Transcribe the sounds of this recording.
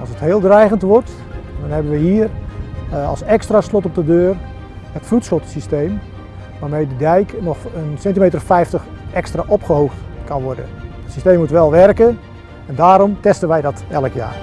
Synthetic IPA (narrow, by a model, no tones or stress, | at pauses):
ɑ̰lˠsətheːlˠdrɛjɣəntʋɔrt | dɔnhɛbənʋəɦiːər | ɑ̰lˠsɛkstraslɔtɔp̚dədøːr | hətflutsχotsisteːm | ʋaːrmejdədɛjknɔxənsɛntimejt̬ərfɛjftəx | ɛkstraʔopχəɦoːxtkanʋɔrdə̰ətsi̥steːmːutʋɛlˠʋɛrkə | ɛndaːɾɔmtɛstənʋɛjdɔtɛləkja̰ːr